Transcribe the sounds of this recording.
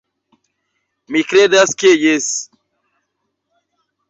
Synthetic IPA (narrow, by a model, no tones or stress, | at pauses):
mikɾedaskejes